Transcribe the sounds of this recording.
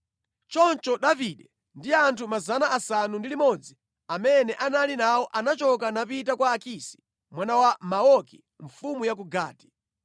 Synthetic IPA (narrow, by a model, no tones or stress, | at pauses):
t͡ʃɔnt͡ʃɔɗaviɗɛ | ndiantʰumazanaʔasanundilimɔd͡zi | amɛnɛʔanalinawɔʔanat͡ʃɔk̬anapitakwaːkisi̥ | mwanawamaɔki | ɱfumujak̬uɡaːti̥